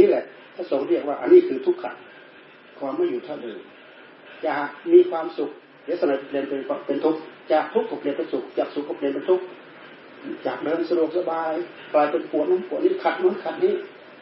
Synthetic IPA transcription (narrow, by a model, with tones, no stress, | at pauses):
niː˧˥˨lɛ˧ʔ | t̪ʰaː˧˩soː˨˧˦ŋɾi˧˩ək̚waː˧ʔa̰˨nːiː˧˥˨kʰɯː˧t̪ʰu˦˥kʰːa̰˨˩t̪̚ | kʰɔː˧mːaː˧˩˨jːuː˨˩t̪ʰa˧˩lɤː˨˧˩j | t͡ɕaː˨˩k̚miː˧˥kʰwaː˧msu˨˩k̚ | le˧˦sa˧naː˧˩jpli˧ənpe˨kʰa˧pe˧˨nt̪ʰu˦˥k̚t͡ɕaː˨˩k̚t̪ʰu˦˥k̚t̪ʰu˧˥p̚li˧npe˧˦nsu˨˧˩k̚t͡ɕaː˨˩k̚su˨˩k̚t̪ʰo˧˥pli˧ənpnt̪ʰu˦˧˥k̚ | t͡ɕaː˨˩k̚dɤː˧˨nsa˧du˨˩ək̚sa˧baː˧j | kʰlaː˧˩jpe˧˨npʰu˨ət̪̚naː˧˥˨mpʰu˨˩ə˨niː˧˥˨kʰa˨˧˩t̪̚nu˧˥˨nkʰa˧˩t̪̚niː˧˥˨